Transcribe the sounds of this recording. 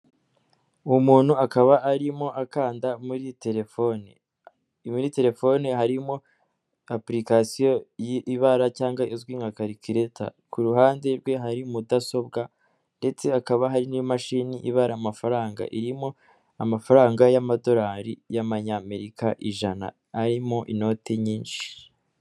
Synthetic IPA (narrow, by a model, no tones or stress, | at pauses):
umuːn̥huakaβaːɾimo̞ʔakaːndamuɾite̞ɾefonḛ | muɾite̞ɾe̞fo̞neɦaɾimo̞ | apɾikasijo̞jiʔiβaɾacaːŋɡaʔizɡwiːŋɡakaɾikiɾe̞tʰa̰ | kuɾuɦaːnde̞ɾɡwe̞ɦaɾimudaso̞bɡa | nde̞t͡se̞akaβaɦaɾinimaʃiːniʔiβaɾamafaɾaːŋɡa̰ʔiɾimo̞ | amafaɾaːŋɡajamado̞ɾaːɾijaβaɲame̞ɾikaʔiʒana̰ː | ɾimo̞ʔino̞tʰeɲiːnʃi̥